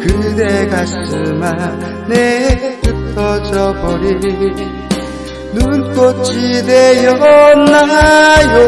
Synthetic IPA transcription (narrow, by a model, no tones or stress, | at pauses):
kɯd̪eɡas͈ɯɭma | neput̪ʰːʌd͡ʑʌbʌɾi | nunk͈ʌt͡ɕid̪ejʌnnajo